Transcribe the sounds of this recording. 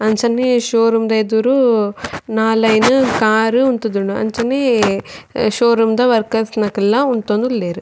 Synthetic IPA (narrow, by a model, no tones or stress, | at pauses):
ɐnt͡ʃɐnːeʃoːɾumd̪ɐed̪uɾu | naːlɐjnukaːɾuunt̪ud̪uɳuɐ̰nt͡ʃɐnːe | ʃoːɾumd̪ɐʋɐɾkɐsnɐkɛlːɐunt̪oːnd̪ulːeːɾu